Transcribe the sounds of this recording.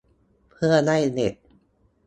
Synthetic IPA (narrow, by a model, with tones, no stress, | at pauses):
pʰɯ˥˩ɐna˥˩jne˨˩t̪̚